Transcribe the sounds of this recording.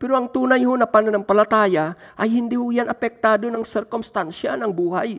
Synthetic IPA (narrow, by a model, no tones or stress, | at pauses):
pɛɾoɐŋt̪uːnajhonɐpanonɐŋpalat̪aːjaʔajhind̪ihʊjanʔɐpɛk̚t̪aːd̪onɐŋsɛɾkomst̪ansanɐŋbuːhaj